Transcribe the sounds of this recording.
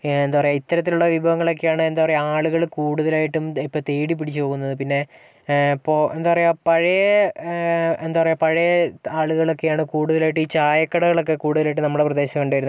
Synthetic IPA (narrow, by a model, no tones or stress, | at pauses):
end̪aːʋɐrejɐit̪ːɐɾɐt̪ːiluɭːɐʋibʱɐʋɐŋːɐɭo̞k̬ːejaːɳɨend̪aːʋɐrejaːɭuɣɐɭkuːɽuðɐlaːjiʈːumipːoːt̪eːɽip̬ːiɽit͡ɕːpo̞ːɣunːɐðɨpinːe̞ | pːoːend̪aːɐrɐjapɐɻɐjɐ | end̪aːʋɐrejapɐɻɐjɐaːɭuɣɐɭo̞kːe̞jaːɳɨkuːɽuðɐlaːjiʈ̬ːiːt͡ɕaːjɐkːɐɽɐɣɐɭo̞k̬ːe̞kuːɽuðɐlaːjiʈːɨnɐmːuɽeprɐd̪e̞ːɕɐɐkɐɳɖaːjiɾu